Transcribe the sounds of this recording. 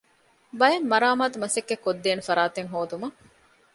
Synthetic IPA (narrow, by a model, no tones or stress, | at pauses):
bɐjemːɐɾaːmaːt̪umɐsekːekːod̪ːeːnefɐɾaːt̪eŋɦoːd̪umɐ